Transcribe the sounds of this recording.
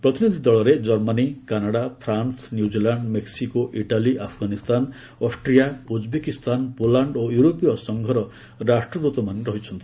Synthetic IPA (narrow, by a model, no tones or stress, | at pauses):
pɾɔt̪inid̪ʱid̪ɔɭɔɾed͡ʒɔɾmanikanaɽapʰɾansnjud͡ʒilaɳɖmeksikoʔiʈaliʔapʰɡanist̪an | ɔsʈɾijaud͡ʒbekist̪ʰanpolaɳɖojuɾopijɔsɔŋɡʱɔɾɔ | ɾasʈɾɔd̪ut̪ɔmaniɾɔɦit͡ʃʰɔnt̪i̥